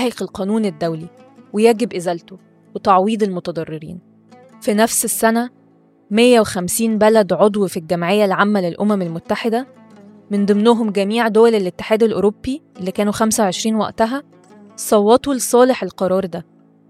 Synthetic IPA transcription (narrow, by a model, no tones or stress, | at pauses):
æheqelqɑːnuːned̪ːæwli | wejæɡebʔezælt̪o | wet̪ɑʕwiːd̪elmot̪æd̪ˤɑrˤːeɾḭːn | finæfsesːænæ | mejːæwexæmsiːnbælæd̪ʕod̪ˤwfilɡæmʕejːælʕamːælelʔomæmelmot̪ːaħed̪æ | mend̪ˤɨmnʊɦomɡæmiːʕd̪owælelʔet̪ːe̥ħæːd̪elʔoɾobːiʔlːikæːnuxæmsæweʕeʃɾiːnwæ̰ʔt̪æɦæ | sˤɑwːɑt̪ulesˤɑːleħelqɑɾˤɑːɾˤd̪æ